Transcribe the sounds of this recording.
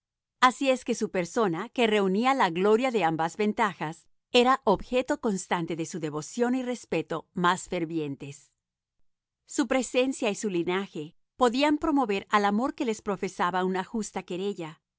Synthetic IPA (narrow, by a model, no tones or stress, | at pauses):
asie̞ske̞supe̞ɾso̞nake̞re̞unialaɣlo̞ɾjaðeambazβe̞nt̪axas | e̞ɾaʔoβxe̞t̪o̞ko̞nst̪ant̪e̞ðe̞suðe̞βo̞sjo̞nire̞spe̞t̪o̞masfe̞ɾβje̞nt̪e̞s | upɾe̞se̞nsjaisulinaxe̞ | po̞ðiampɾo̞mo̞βe̞ɾalamo̞ɾke̞le̞spɾo̞fe̞saβaunaxust̪ake̞ɾe̞ʝa